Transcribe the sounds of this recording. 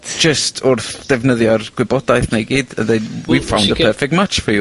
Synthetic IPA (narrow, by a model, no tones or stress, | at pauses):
d͡ʒəstʰʊrθd̥ɛvnəðjɔrɡ̥wɪbɔd̥ajθnajɡiːdə̰ðɛwi̥fawndəpʰəfɛk̚tmat͡ʃfi